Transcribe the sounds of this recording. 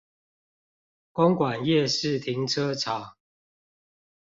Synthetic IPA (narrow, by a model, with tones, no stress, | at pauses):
kɔ˦ŋkwa˨˩njɛ˥˨ʂɻ̩˥˨t̪ʰi˨˦ŋʈ͡ʂʰə˦ʈ͡ʂʰa˨˦